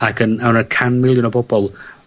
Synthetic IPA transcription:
akʰənawnəkʰanmɪlˠjʊnɔbɔbɔlˠ

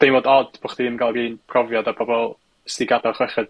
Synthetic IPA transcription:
d̥ejmoːdɔdb̥oχd̥iiməŋɡalˠɡiːnpʰrɔvjɔdabɔbɔlˠ | stiɡadɔχwɛχɨd̥

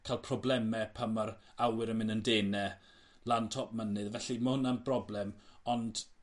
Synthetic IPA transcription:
kʰajlˠpʰrɔblɛmɛpʰamaɾ | awɪɾəmɪnəndeːnɛ | lˠantʰɔp̚mənɨðvɛɬimahʊnanbrɔblˠɛmɔnd̥

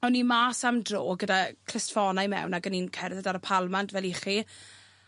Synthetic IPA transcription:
awnimaːsamdroːɡədakʰr̥ɪstfɔnajmɛ̰wnaɡəninkʰɛrðɛdaɾəpʰalˠmantvɛlˠiχi

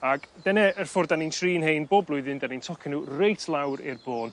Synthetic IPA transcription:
aɡ̥dɛnɛərfʊrdanintʰriːnhejnboːblˠʊɨðɨndanintʰɔkʰɛnurejtʰlˠawɾɪ̰rboːn

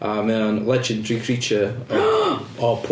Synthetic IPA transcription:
amɛənlɛd͡ʒə̃ndɹikʰɹ̥it͡ʃə | ɔpʰ

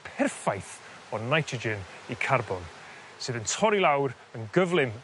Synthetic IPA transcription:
pʰɛrfajθ | ɔnajtʰɹ̥əd͡ʒɪn | ikʰarbɔn | sɨːðəntʰɔɾilˠawɾ | ənɡəvlˠɪm

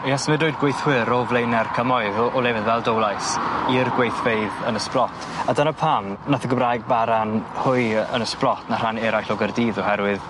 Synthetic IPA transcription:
jɛsmɨdoɨdɡwejθhwɪɾɔvlˠejnɛrkʰəmɔjðɔʔɔlˠɛvɪðvɛlˠdowlˠajsirɡwejθv̥eɨðənəsplˠɔtʰadənəpʰannaθʰəɡəmrajɡ̚baɾanhʊjə̰nəsplˠɔtʰnar̥anɛɾajɬɔɡərdiːðɔhɛɾwɨð

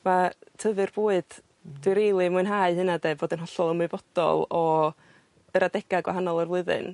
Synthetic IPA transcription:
matʰəvɨrb̥uːɨd̥ | dɪɾejlˠimʊɨnɦaɨhɨnadeːboːdənɦɔɬɔlˠəmɨvɔd̥ɔ̰lˠɔ | əɾadɛɡ̥aɡwa̰ɦanɔlˠərvlˠʊɨðɨ̰n

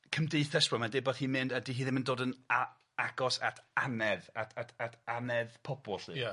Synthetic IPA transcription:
kʰəmdeɨθɛsb̥rɔmadɪbɔðhiːmɪndədiɦiːðɪməndoːdəna | aɡɔsa̰tʰanɛðatʰatʰatʰanɛðpʰɔbɔlˠɬɨ̰a

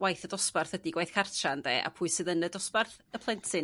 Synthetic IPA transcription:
wajθədɔsparθwədiɡwajθkʰartʰrandɛːʔa̰pʰuɨsɨːðənədɔsparθəpʰlˠɛntʰɨ

